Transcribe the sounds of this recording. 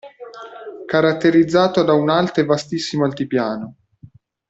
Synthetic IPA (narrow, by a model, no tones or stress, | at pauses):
kaɾat̪ːeɾid̪zːaːt̪od̪aunalt̪evast̪isːimoalt̪ipjaːno